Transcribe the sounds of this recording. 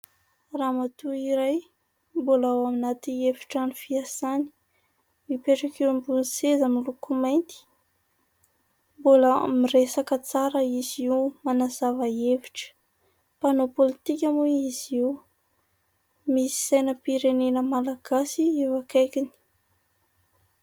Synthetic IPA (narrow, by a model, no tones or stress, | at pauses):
ramat̪uiɾaj | mbolawaminat̪ievi̥ʈ͡ʂanifiasani̥ | mipeʈ͡ʂakewmbunsezamilukumajnt̪i̥ | boləmiresakət͡saɾəiziwmanazavəevi̥ʈ͡ʂə̥ | panopolit̪ikʲamuiziw | misi̥sajnəpiɾenenəmalaɡ̥asievakajkini̥